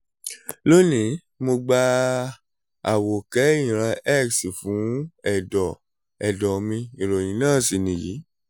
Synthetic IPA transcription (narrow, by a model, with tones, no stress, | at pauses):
lo˦˨nĩ˨˦ | mo˧ɡ͡ba˧ | a˨wo˨kɛ˨˦ĩ˨ɾ̃a˧ɛ˦˨ksi˨fũ˨˦ɛ˦˨dɔ˨ | ɛ˨dɔ˨mĩ˧i˨ɾo˨jĩ˨˦nãː˦˨si˨nĩ˨ji˨˦